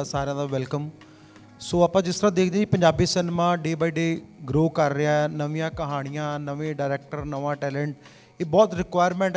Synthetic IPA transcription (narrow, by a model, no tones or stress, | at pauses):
saːɾjãːd̪aːʋɛlkəm | soːaːpãːd͡ʒɪst̪ɾãːd̪eːkʰd̪ẽːd͡ʒipə̃ɲd͡ʒaːbiːsɪnmãːɖeːbaːiːɖeːɡɾoːkəɾːɪaɛnəʋɪjãːkəɦaːɽ̃ɪjãːnəʋẽːɖaːɾɛːk̚ʈəɾnəʋãːʈɛːlɛ̃ːɳʈ | eːbɔːt̪ɾɪkʋaːjɾmɛ̃ːɳʈ